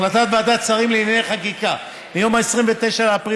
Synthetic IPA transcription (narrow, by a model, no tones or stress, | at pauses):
lat̪at̪baad̪at͡saʁimleinjaneχakika | bejo̞maesʁimvet̪e̞ʃaleapʁi